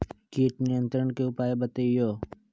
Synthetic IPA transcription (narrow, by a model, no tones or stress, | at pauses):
kiːʈnɪjə̃nt̪ɾəɳkeʊpaːebət̪eːjoː